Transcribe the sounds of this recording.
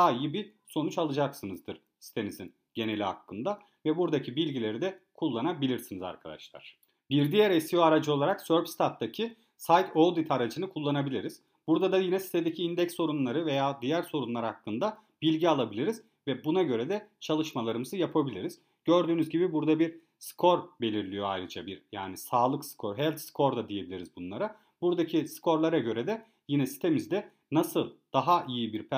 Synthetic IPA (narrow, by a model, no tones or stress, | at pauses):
d̪aːijibiso̞nut͡ʃalˠɯd͡ʒaksɯnɯzd̪ɯɾ̥ | si̥t̪ʰe̞nizin | ɟe̞ne̞lʲiha̰kːɯnd̪a | vɛbuɾd̪acʰibilʲɟilʲe̞ɾid̪ɛkʰulˠːanabilʲiɾsiniza̰ɾkʰa̰d̪a̰ʃlˠa̰ɾ̥ | biɾd̪ijɛɾesjoaɾad͡ʒɯo̞lˠaɾaksøɾpst̪ʰat̪̚ːacʰi | sajt̪ʰolˠd̪it̪ʰaɾad͡ʒɯnɯkʰulˠːanabilʲiɾiz̥ | buɾd̪ad̪ajinɛsi̥t̪ʰed̪ecʰiind̪ɛcsːo̞ɾunlˠaɾɯve̞jaːd̪ijæɾso̞ɾunlˠaɾɯhakːɯnd̪a | bilʲɟialˠabilʲiɾiz̥ | vɛbunaɟø̞ɾɛd̪ɛt͡ʃʰalˠɯʃmalˠaɾɯmɯzɯjapʰabilʲiɾiz | ɟøɾd̪yːnyzɟibibuɾd̪abiɾ | skʰo̞ɾbe̞lʲiɾlʲijo̞ajɾɯd͡ʒabiɾja̰ːnisaːlˠɯksɯ̥kʰoɾɦɛlʲt̪skʰo̞ɾd̪ad̪ije̞bilʲiɾizbunlˠaɾa | buɾd̪acʰiskʰo̞ɾlˠaɾaɟø̞ɾɛd̪ɛ | jinɛsi̥t̪ʰe̞mizd̪ɛ | nasɯlˠd̪̥aɦaʔijibiɾpʰæ